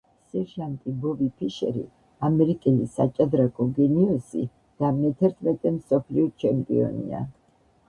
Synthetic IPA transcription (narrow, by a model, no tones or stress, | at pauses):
sɛɾʒant̪ʼibɔvipʰiʃɛ̰ɾḭ | amɛɾikʼɛlisat͡ʃʼad̪ɾakʼɔɡɛniɔsḭ | d̪̥amɛt̪ʰɛɾt̪ʰmɛt̪ʼɛmsɔpʰliɔt͡ʃʰɛmpʼḭɔ̰nḭa̰